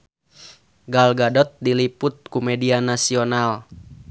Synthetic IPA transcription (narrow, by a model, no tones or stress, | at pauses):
ɡalɡadɔt̪̚diliput̪̚kumɛdianasional